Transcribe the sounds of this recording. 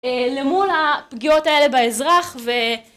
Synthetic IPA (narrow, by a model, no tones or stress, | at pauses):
elemulapɡio̞tae̞le̞baezʁaχve